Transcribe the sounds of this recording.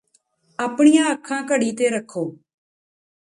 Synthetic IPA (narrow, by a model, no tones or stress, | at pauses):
əːpɳijãːəkʰːãːkəɽiːt̪eːɾəkʰoː